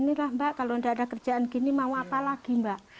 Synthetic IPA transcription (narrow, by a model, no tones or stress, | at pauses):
nilahmbaʔkaloəndaʔːdakərd͡ʒaʔankinimauapalaɡ̥imbaʔ